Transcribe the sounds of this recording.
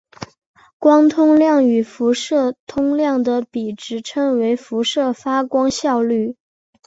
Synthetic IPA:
kwɑ˥ŋt̪ʰʊ˥ŋljɑ˥˩ŋy˨˩fu˧˥ʂɤ˥˩t̪ʰʊ˥ŋljɑ˥˩ŋd̪ə˩pi˨˩ʈ͡ʂɻ̩˧˥ʈ͡ʂʰɤ˥ŋwe˧˥ɪfu˧˥ʂɤ˥˩fa˥kwɑ˥ŋɕjɑ˥˧ʊly˥˩

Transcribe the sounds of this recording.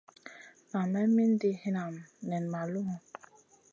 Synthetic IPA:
na˨mɛ˦mi˦n̩˦di˦hi˦na˨m˨nɛ˨n˨ma˨lu˦ɦũ˦

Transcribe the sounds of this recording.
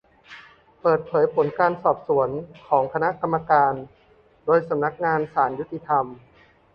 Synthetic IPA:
pɤː˨˩t̪̚pʰɤː˩˦jpʰo˩˦nkaː˧nsɔː˨˩p̚su˩˦ənkʰɔː˩˦ŋkʰa˧na˦˥ʔka˧mːa˧kaː˧n | doː˧jsa˩˦mna˦˥k̚ŋaː˧nsaː˩˦nju˥t̪ːi˧t̪ʰa˧m

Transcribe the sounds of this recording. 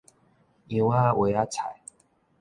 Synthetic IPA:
i˨wa˦wʔe˨˦ja˦t͡sʰa˨˩j

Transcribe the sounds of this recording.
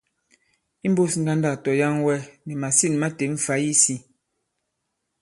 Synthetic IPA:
i˦m˦bo˦sŋ̩˦ɡa˦nda˦˨tɔ˨ja˦ŋwɛ˦nɛ˨ma˨si˦˨n˨ma˦te˨ɱ̩˨fa˨˦ji˦si˦

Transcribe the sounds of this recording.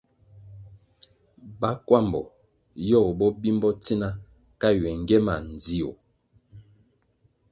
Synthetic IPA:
ba˦kwa˦˨mbɔ̰˨ | jɔ˦˨bɔ˦bi˦mbɔ˦ti˦na˦ | ka˦ɥɛ˨ŋ˨ɡɛ˦ma˨n˨d͡zi˦o̰˨

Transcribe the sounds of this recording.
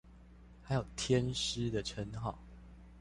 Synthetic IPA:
ha˨˦ɪjo˨˩ʊt̪ʰjɛ˦nʂ̩˦d̪ə˨ʈ͡ʂʰə˨˦nxɑ˨˩ʊ

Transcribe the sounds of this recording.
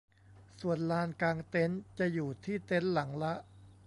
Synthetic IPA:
su˨˩ənlaː˧nkaː˧ŋt̪e˦˥nt͡ɕa˨˩juː˨˩t̪ʰiː˥˩t̪e˦˥nla˩˦ŋla˦˥ʔ

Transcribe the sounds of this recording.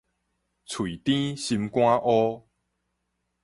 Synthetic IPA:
t͡sʰwi˨˩t̪ĩ˦ɕi˧mkw̃ã˦ʔɔ˦

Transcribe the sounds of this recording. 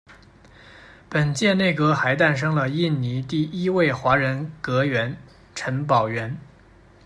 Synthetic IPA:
pə˨˩nt͡ɕjɛ˥˧ne˥˩ɪkɤ˧˥xa˧˥ɪt̪a˥˩nʂ̬ɤ˥ŋlə˨i˥˩nni˧˥t̪i˥˩i˥we˥˩ɪxwa˧˥ɻə˧˥nkɤ˧˥ɥɛ˧˥n | ʈ͡ʂʰə˧˥np̬ɑ˨˩ʊɥɛ˧˥n

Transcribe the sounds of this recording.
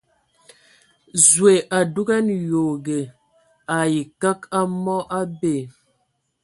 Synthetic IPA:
zwe˨ʔa˨du˦ɡɛ˦njo˨ɡe˨ | a˨ji˨ka˦ka˦mɔ˦ʔa˦be˦˨

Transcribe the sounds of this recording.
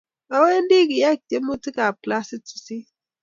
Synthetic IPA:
a˨we˦n˦di˦ki˨ja˦˨k̚te˦mu˦ti˦ka˨kla˦si˦tu̥˨si˦

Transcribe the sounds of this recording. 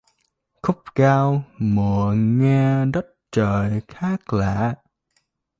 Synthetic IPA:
xʊ˦˥k͡p̚kaː˧wmɨ˨˩əŋɛ˧ɗə˦˥t̚t͡ɕəː˨˩jxaː˦˥k̚la̰ː˧˨

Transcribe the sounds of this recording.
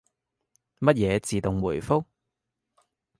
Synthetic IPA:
mɐ˥t̚jɛː˨˧t͡siː˨t̪ʊ˨ŋwuː˨˩jfʊ˥k̚

